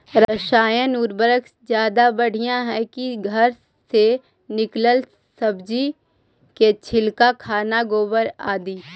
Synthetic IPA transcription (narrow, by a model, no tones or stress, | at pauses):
ɾəʃaːjãnuːɾbəɾəksd͡ʒjaːd̪abɐɽ̤ʱijãɦɛkiɡʱəɾ | se | nɪkləl | sɐbd͡ʒi | ket͡ʃʰɪlkakʰaːnaɡoːbəɾaːd̪iː